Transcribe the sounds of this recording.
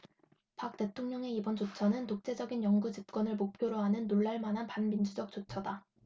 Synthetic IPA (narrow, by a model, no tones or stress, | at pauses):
pak̚t͈e̞tʰoŋɲʌŋe̞ibʌnd͡ʑot͡ɕʰʌnɯntok̚t͡ɕ͈e̞d͡ʑʌɡinjʌŋɡud͡ʑip̚k͈wʌnɯɭmok̚pʰjoɾoɦanɯnːoɭːaɭmanɦanpanmind͡ʑud͡ʑʌk̚t͡ɕ͈ot͡ɕʰʌda